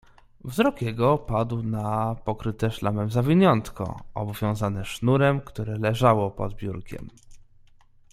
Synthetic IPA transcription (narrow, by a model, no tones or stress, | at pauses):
vzɾɔkjɛɡɔpad̪wnapɔkɾɘt̪ɛʂlamɛmzavʲiɲɔnt̪kɔ̰ɔ̰bɔvʲjɔ̃w̃zanɛʂnuɾɛmkt̪uɾɛlɛʐawɔpɔ̰d̪bʲjuɾkʲɛ̰m